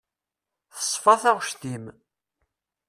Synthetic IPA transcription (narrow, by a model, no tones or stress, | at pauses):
θə̥sˤfɑθæʁʃt̪im